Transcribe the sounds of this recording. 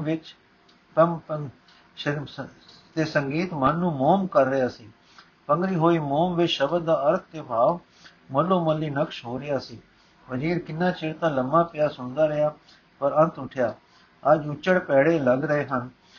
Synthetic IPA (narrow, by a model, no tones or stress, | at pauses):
ʋɪt͡ʃ | t̪əm | t̪eːsəŋɡiːt̪mənːũːmoːmkəɾːəjaːsiː | pəŋɡɾiːɦoːiːmoːmʋɪt͡ʃʃəbəd̪d̪aːəɾt̪̚ʰt̪eːbʱaːʋ | məlːoːməlːiːnəkʃɦoːɾɪjaːsiː | ʋəziːɾkɪnːãːt͡ʃɪɽt̪ãːləmːãːpɪjaːsʊnd̪aːɾɪjaː | pəɾə̃nt̪ʊʈʰjaː | əd͡ʒʊt͡ʃːəɽpɛːɽeːləɡɾəeːɦən